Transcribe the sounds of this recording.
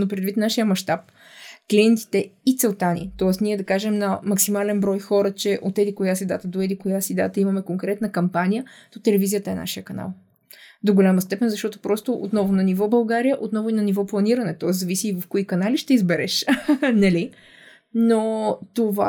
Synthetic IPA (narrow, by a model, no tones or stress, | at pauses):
nopɾɛd̪vit̪naʃijəmɐʃt̪ap̚ | kliɛnt̪i̥t̪ɛit̪sɛlˠt̪anʲḭt̪ɔɛsniɛd̪ɐkaʒɛmnɐmɐksimalɛnbɾɔjxɔɾət͡ʃɛʔot̪ːɛd̪ikojasɛd̪at̪əd̪oɛd̪ikojasid̪a̰t̪əimɐmɛkoŋkɾɛt̪nəkɐmpanijət̪ot̪ɛlɛvizijət̪əɛna̰ʃijəkɐna̰lˠ | d̪oɡolʲaməst̪ɛpɛnzɐʃt̪ɔt̪opɾɔst̪oʔo̰t̪nɔvʊnɐnivɔbɐlˠɡaɾijəʔot̪nɔvʊinɐnivɔplˠɐniɾɐnɛt̪ɔɛszɐvisiːvɐfkoikɐnaliʃt̪ɛizbɛɾɛʃnɐli | not̪ova̰